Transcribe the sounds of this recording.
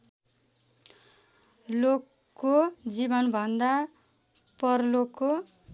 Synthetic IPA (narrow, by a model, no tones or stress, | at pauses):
lokː | od͡zibʌnbʱʌnd̪a | pʌrlokːo